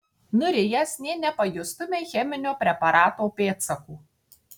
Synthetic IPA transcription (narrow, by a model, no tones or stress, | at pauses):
nʊɾʲɪjɛsnʲeːnʲɛpɐjʊst̪ʊmʲexʲɛmʲɪnʲoːpʲɾʲɛpɐɾɑːt̪oːpʲeːt̪sɐkuː